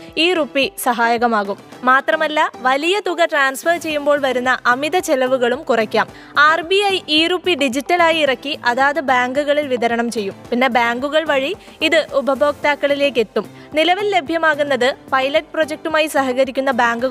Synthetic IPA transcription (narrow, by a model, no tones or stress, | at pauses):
iːrupːisɐɦaːjɐɣɐmaːɣumːaːt̪rɐmɐlːɐʋɐlijɐt̪uɣɐʈraːnsfɐrt͡ɕe̞jːumbo̞ːɭʋɐɾunːɐʔɐmiðɐt͡ɕe̞lɐʋuɣɐɭumkurɐkʲːaːm | aːrbiɐjiːruːpːiɖid͡ʑitːɐlaːjiːrɐkːiʔɐðaːðɨbaːŋɡuɣɐɭilʋiðɐɾɐɳɐmt͡ɕe̞jːumpinːe̞baːŋɡuɣɐɭʋɐɻi | iðɨʔubʱɐbʱo̞ːk̚t̪aːkːɐɭile̞ːk̬ːe̞t̪ːum | nilɐʋilːe̞bʱjɐmaːɣunːɐðɨpɐjlɐʈ̚ːprod͡ʑek̚ʈumaːjisɐɦɐɣɐɾikʲːunːɐbaːŋɡu